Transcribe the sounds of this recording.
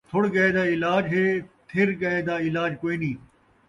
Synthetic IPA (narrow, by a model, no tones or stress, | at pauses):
t̪ʰʊɽɡɐeːd̪aːɪlaːd͡ʒɦeːt̪ʰɪɾɡɐeːd̪aːɪlaːd͡ʒkoːiːnĩː